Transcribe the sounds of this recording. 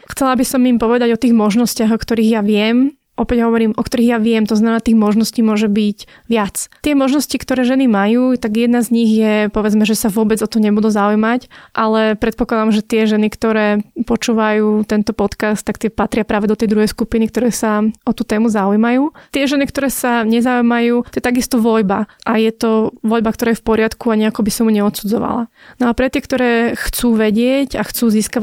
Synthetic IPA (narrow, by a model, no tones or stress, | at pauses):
xt͡sɛlabisɔmimpɔʋɛd̪aɟɔt̪iːɣmɔʒnɔscɪaɣɔkt̪ɔɾiːɣjaʋɪɛm | ʔɔpɛɟɦɔʋɔɾiːmʔɔkt̪ɔɾiːɣjaʋɪɛmt̪ɔznamɛnaːt̪iːɣmɔʒnɔsciːmʊɔʒɛbic | ʋɪat͡st̪ɪɛmɔʒnɔscikt̪ɔɾɛːʒɛnimajuːt̪aɡjɛd̪̚nazɲiɣjɛpɔʋɛd͡zmɛʒɛsaʋʊɔbɛd͡zɔt̪ɔmɲɛbud̪uzaujmacʔalɛpɾɛt̪̚pɔklˠad̪amʒɛt̪ɪɛʒɛnikt̪ɔɾɛːpɔt͡ʃuːʋajuːt̪ɛnt̪ɔpɔt̪kast̪ːakt̪ɪɛpat̪ɾɪapɾaːʋɛd̪ɔt̪ɛjd̪ɾuɦɛjskupinikt̪ɔɾɛːsaʔɔt̪uːt̪ɛːmuzaujmajuːt̪ɪɛʒɛnikt̪ɔɾɛːsaɲɛzaujmajuːt̪ɔjɛt̪aɡist̪ɔʋɔʎbaʔajɛt̪ɔʋɔʎbakt̪ɔɾaːjɛfpɔɾɪat̪kuaɲɛakɔbisɔmjuɲɛɔt̪sud͡zɔ̰ʋa̰la̰nɔapɾɛt̪ɪɛkt̪ɔɾɛːxt͡suːʋɛɟɪɛɟaxt͡suːziːska